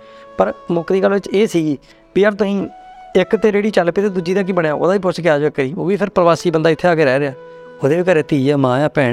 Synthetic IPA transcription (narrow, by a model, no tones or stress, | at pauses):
pəɾmʊkd̪iːɡəlːʋɪt͡ʃeːsiː | piəɾt̪ʊĩːɪkt̪eːd͡ʒeːɽiːt͡ʃəlpeːt̪eːd̪ud͡ʒiːd̪ãːk̬ibəɳjaːo̰ːd̪ãːiːp̬ʊt͡ʃkeːaːd͡ʒʋekːəɾiːo̰ːʋiːpʰɪɾpəɾəʋaːsiːbənd̪aːɪt̪ʰːeːaːkeːɾɛːɾeːaː | oːd̪eːʋiːkəɾeːt̪iːd͡ʒaːmãːjãːpɛ̃ː